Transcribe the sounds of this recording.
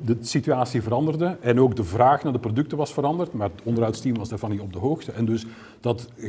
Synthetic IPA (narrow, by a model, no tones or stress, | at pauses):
dəsityaːsivəɾɑndərdəʔɛnoːɡdəvraːxnaːrdəprodɵk̚təʋɑsfəɾɑndərtmaːrətɔndərɦɑwtstimʋɑsdaːrvɑnitɔb̚dəɦoːxtəʔɛndɵs | d̥ɑt